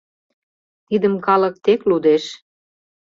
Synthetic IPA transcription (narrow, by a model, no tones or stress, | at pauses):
t̪id̪ə̆mkɑlə̆k̚t̪eklud̪eʃ